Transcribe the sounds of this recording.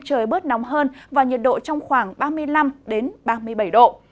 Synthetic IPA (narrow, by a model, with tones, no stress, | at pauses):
t͡ɕəː˨˩jɓɨ˦˥ət̚nɔ˨˦wŋ͡mɦəː˧nvaː˨˩ɲi˨˩t̚ɗo̰˧˨t͡ɕɔ˧wŋ͡mxwaː˧˩ŋɓaː˧mɨ˧əjla˧mɗe˨˦nɓaː˧mɨ˧əjɓə˧˩jɗo̰˧˨